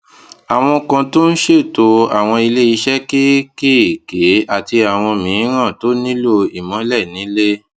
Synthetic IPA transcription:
a˨w̃ɔ̃˧kã˧to˦n̩˦ʃe˦˨to˧˦a˨w̃ɔ̃˧i˧le˦i˧˦ʃɛ˦ki˦ki˦˨ke˨˦a˨ti˧a˨w̃ɔ̃˧mĩ˨˦ɾ̃ã˦˨to˨˦nĩ˦lo˦i˨mɔ̃˨˦lɛ˦˨nĩ˨˦le˦

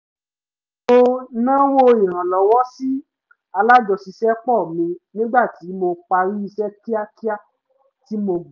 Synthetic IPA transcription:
o˧nã˦wo˦i˨ɾ̃ã˨lɔ˨wɔ˦si˦ | a˧la˦d͡ʒɔ˧si˧ʃɛ˦k͡pɔ˦˨mĩ˧nĩ˦ɡ͡ba˦˨ti˨˦mo˧k͡pa˧ɾi˦i˧ʃɛ˦ki˦a˦ki˦a˦˨ | ti˨˦mo˧˨

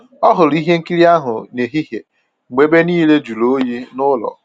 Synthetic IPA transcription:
ɔ˦ɦʊ˨ɾi˦ɦe˦ŋ̩˦ki˦ɾi˦a˦ɦʊ˨ne˨ɦi˦ɦe˨ | ŋ͡me˦be˦niː˦le˦d͡ʒu˨lo˨˦ji˦nʊ˦lɔ̰˨

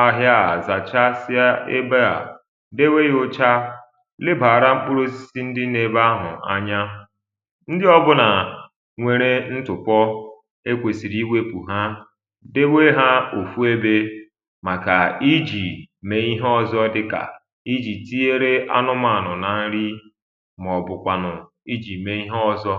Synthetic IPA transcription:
a˦ɦja˦a˨za˨t͡ʃa˦sɪ˦a˦e˦be˦a̰˨ | de˦we˦jʊ˦t͡ʃa˦ | lɪ˦ba˨ɾa˦m̩˦k͡pu˦ɾo˦si̥˨si˦n̩˦dɪ˦ne˨ba˦ɦʊ̰˨a̰˦ɲa˦ | n̩˦dɪ˦ɔ˦bʊ˦na˨ | ŋʷe˨ɾe˦n̩˦tʊ˨pɔ˦ | e˦kʷe˨si˨ɾi˦wʷe˦kʷu˨ɦa˦ | de˦we˦ɦa˦o˨fu˦e˦be˦ | ma˨ka˨i˦d͡ʒi˨me˨i˦ɦɔ˦zɔ˦dɪ˦ka̰˨ | i˦d͡ʒi˨ti˦e˦ɾe˦ʔa̰˦nʊ˦ma˨nʊ˨na˨n̩˦ɾi˦ | m˨ɔ˨bʊ˨kʷa˨nʊ˨ | i˦d͡ʒi˨me˨i˦ɦɔ˦˨zɔ˦

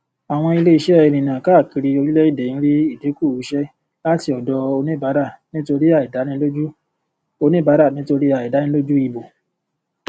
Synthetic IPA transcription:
a˨w̃ɔ̃˧i˧le˦i˧ʃɛ˦˨ɛ˨˧˨nĩ˨nã˨ka˦˨ki˧ɾi˧o˧ɾi˦lɛ˦i˦˨dɛ˨ĩ˦ɾi˦i˦˨de˨˦ku˦˨u˨˦ʃɛ˦ | la˦˨ti˧ɔ˨dɔ˧o˧nẽ˦ba˨˦ɾa˦˨nĩ˦to˧ɾi˦a˦˨i˨da˨˦nĩ˦lo˦d͡ʒu˦ | o˧nĩ˦ba˨˦ɾa˦˨nĩ˦to˧ɾi˦a˨i˨da˨˦nĩ˧˦lo˦d͡ʒu˦i˧bo˨

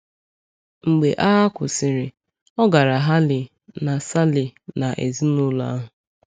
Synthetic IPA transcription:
ŋ͡m̩˨ɡ͡be˨ʔa˦ɦa˦kʷʊ˨sɪ˨ɾɪ˨ | ɔ˦ɡa˨ɾa˨ɦa˦lɪ˨ | na˨sa˦lɪ˨na˨ʔe˨zi˦nʊ˦la̰˦ɦʊ˨

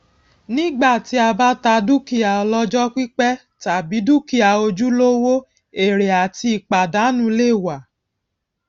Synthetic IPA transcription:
nĩ˦ɡ͡ba˦˨ti˨˦a˧ba˦ta˧du˦ki˦˨a˨ɔ˧lɔ˦d͡ʒɔ˦ki˦k͡pɛ˦ | ta˨bi˨˦du˦ki˦˨a˨o˧d͡ʒu˦lo˦wo˦ | e˨ɾe˨a˨ti˧i˨k͡pa˨da˨˦nũ˦le˦˨wa˨

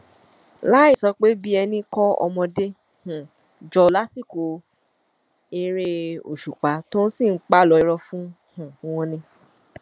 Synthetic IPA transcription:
la˦i˦˨sɔ˨˧k͡pe˦bi˦ɛ˧nĩ˧kɔ˦ɔ̰˧mɔ̃˧de˦ | h̩˨ | d͡ʒɔ˧la˦si˦˨ko˨ | i˧˦ɾ̃ẽ˧o̰˨ʃu˨k͡pa˨˦to˦ñ̩˦sĩ˦˨˦k͡pa˦˨lɔ˨˧i˧ɾɔ˧fũ˦ | hũ˨˦w̃ɔ̃˧nĩ˧

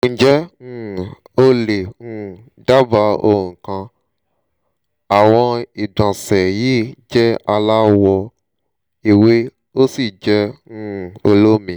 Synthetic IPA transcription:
ŋ̩̃˨d͡ʒɛ̃˦ | o˦le˨ŋũ˦ | da˦ba˧o˦˨ŋ̩˨kã˧ | a˨w̃ɔ̃˧i˨dã˨sɛ˨ji˦d͡ʒɛ˦a˧la˦wɔ˧ | e˨we˦ | o˦si˦˨d͡ʒɛ˦ũ˦˨o̰˧lo˦mĩ˨

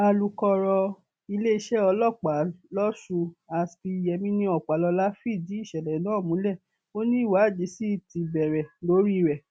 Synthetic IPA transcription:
a˧lu˨kɔ˧ɾɔ˧ | i˧le˦i˧ʃɛ˦ɔ˧lɔ˦˨k͡pa˨˦lɔ˦ʃu˧a˧sbi˧jɛ˧mĩ˦nĩ˧ɔ˨k͡pa˨lɔ˧la˦fi˦˨di˨˦i˦˨ʃɛ˨lɛ˨˦nãː˦˨mũ˨˦lɛ˦˨ | o˦nĩ˦i˦˨wa˨˦˨d͡ʒi˨˦si˦˨ti˧bɛ˨ɾɛ˨lo˨˦ɾi˦˨ɾɛ˨

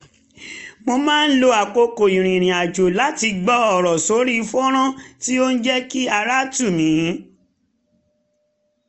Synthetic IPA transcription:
mo˧mãː˦n̩˦lo˧˦a˨ko˧ko˨i˨ɾ̃ĩ˨ɾ̃ĩ˨a˨d͡ʒo˨la˨˦ti˧ɡ͡bɔ˦ɔ˦˨ɾɔ˨so˨˦ɾi˦fu˦ɔ˦ɾ̃ã˦ti˦o˦n̩˦d͡ʒɛ˦ki˦a˧ɾa˦tu˦˨mĩ˨˦

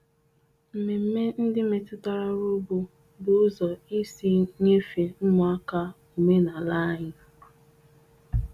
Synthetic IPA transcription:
m̩˨me˨m̩˦˨me˦n̩˦dɪ˦me˨tʊ˦ta˨ɾa˦ɾu˦bo˦ | bʊ˨ʊ˦zɔ˨i˦si˦ɲe˦fe˨m̩˦mʊ˨a˦ka˦ | u˨me˦na˨la˦ɲɪ˨˦

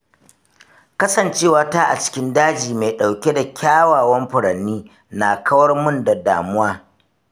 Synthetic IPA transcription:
kɐ˦sɐ˨nt͡ʃeː˦˨wa˦taː˦ʔa̰˨t͡ʃɪ̥˦kʲɪ˦ndaː˦d͡ʒiː˨ma˨ɗa˨wkʲe˦da˨kʲʰaː˦waː˨wɐ˦mɸʊ˨ɽɐ˨nːiː˦ | na˨kʰɐ˦wɐ˦rmʊ˦nda˨da̰ː˨mʊ˦waː˦

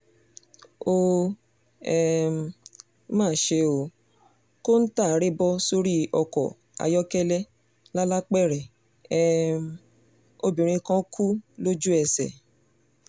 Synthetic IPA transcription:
o˧ | ɛ˨m˨˦ | mãː˦˨˦ʃe˧o˨ | ko˦n̩˦ta˦˨˦ɾe˦bɔ˦so˦ɾi˦ɔ˧kɔ̰˨ | a̰˧jɔ˦kɛ˦lɛ˦ | la˦la˦k͡pɛ˦˨ɾɛ˨ | ɛ˨ | o˧bĩ˨ɾ̃ĩ˧kã˧˦kʰu˦lo˦d͡ʒu˦ɛ˧˨sɛ̰˨

